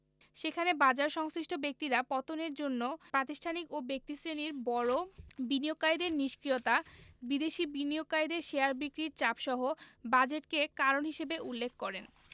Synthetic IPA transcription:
ʃekʰanebad͡ʑaɾʃɔŋsɾiʃʈʰobek̚t̪iɾapɔt̪oneɾd͡ʑonːopɾat̪iʃʈʰanikobek̚t̪isɾeniɾbɔɽobiniokaid̪eɾniʃkɾiot̪abid̪eʃibiniokaid̪eɾʃeaɾbikɾiɾt͡ɕapʃɔɦobad͡ʑeʈkekaɾonɦiʃebeʔulːekʰːkɔɾen

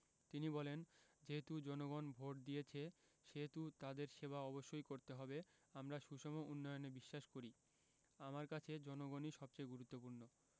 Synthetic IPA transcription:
t̪inibɔlend͡ʑeɦet̪ud͡ʑɔnoɡonbʱoʈ̚d̪iet͡ɕʰe | ʃeɦet̪ut̪ad̪eɾʃebaɔboʃːojkoɾt̪eɦɔbe | amɾaʃuʃɔmoʔunːɔjonebiʃːaʃkoɾi | amaɾkat͡ɕʰed͡ʑɔnoɡoniʃɔb̚t͡ɕajɡuɾut̪ːopuɾno

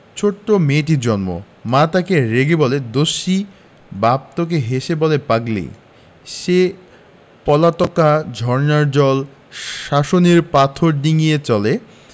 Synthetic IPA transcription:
t͡ɕʰoʈːomeʈ̬iɾd͡ʑɔnmo̰ | mat̪akeɾeɡebɔled̪oʃːi | bap̚t̪ok̬eɦeʃebɔlepaɡlḛ | ʃe | pɔlat̪ɔkad͡ʑʱɔɾnaɾd͡ʑɔl | ʃaʃoniɾpat̪ʰoɾɖiŋijet͡ɕɔle

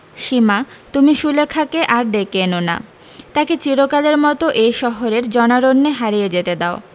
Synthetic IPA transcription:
ʃimat̪umiʃulekʰakeʔaɾd̪ekenona̰ | t̪aket͡ɕiɾokaleɾmɔt̪oʔejʃɔɦoɾeɾd͡ʑɔnaɾonːeɦaɾijed͡ʑet̪ed̪ao

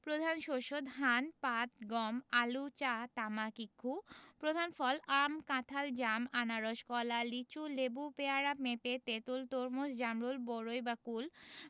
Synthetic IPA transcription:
pɾod̪ʱanʃoʃod̪ɦanpat̪̚ɡɔmalut͡ɕat̪amakikʰːupɾod̪ʱanfɔlamkãt̪ʰald͡ʑamanaɾɔʃkɔlalit͡ɕulebupeaɾapmepet̪et̪ult̪oɾmosd͡ʑamɾulboɾojbakul

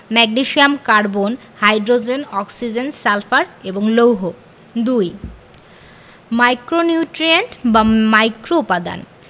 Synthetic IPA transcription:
mɛɡniʃiamkaɾbon | hajɖɾod͡ʑenɔksid͡ʑensɛlfaɾeboŋlowɦo | d̪uj | majkɾoniuʈɾieɳʈbamajkɾoupad̪a̰n

